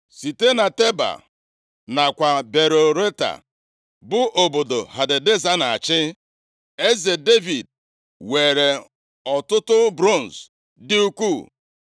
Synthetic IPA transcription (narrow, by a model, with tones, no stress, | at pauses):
si˨te˦na˨te˦ba̰˨ | na˨kʷa˨be˨ɾo˨ɾe˦ta̰˨ | bʊ˦ʔo˨bo˨do˨ha˨de˨de˦za˦na˨a˨t͡ʃɪ˦ | e˦ze˨de˦vi˨d̚ | we˨ɾe˨ | ɔ˨tʊ˦tʊ˦bɾo˦˨n̩˨s | dɪ˦u˦kʷu˦˨